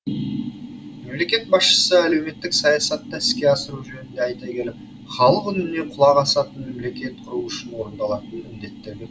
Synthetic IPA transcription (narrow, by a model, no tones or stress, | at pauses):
me̞mle̞kʲe̞t̪̚bɑsʃə̥səæle̞wme̞t̪ːɪksɑjɑsɑt̪ːæɪskʲe̞ɑsəɾuʒɵnɪnd̪e̞ɑjt̪ɑkʲʰe̞lɪp̚ | χɑlˠəqʏnɪne̞qʰʊlˠɑʁɑsɑt̪ənme̞mle̞kʲe̞t̪̚qʰʊɾuʏʃɪnwo̞ɾənd̪ɑlˠɑt̪ənmɪmd̪e̞t̪ːeɾɡ̪ʲe